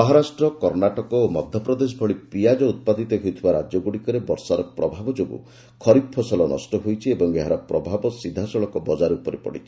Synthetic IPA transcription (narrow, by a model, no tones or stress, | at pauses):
ɔɦɔɾasʈɾɔkɔɾnaʈɔkɔomɔd̪ʱjɔpɾɔd̪es̬ɔbʱɔɭipijad͡ʒɔut̪̚pad̪it̪ɔɦojt̪ʰibaɾa̰d͡ʒjɔɡuɽikɔɾebɔɾsaɾɔpɾɔbʱabɔd͡ʒobṵ | kʰɔɾip̚pʰɔsɔlɔnɔ̰sʈɔɦujt͡ʃʰiebɔŋeɦaɾɔpɾɔbʱabɔsid̪ʱːasɔɭɔkɔbɔd͡ʒaɾupɔɾepɔ̰ɽḭt͡ʃʰi̥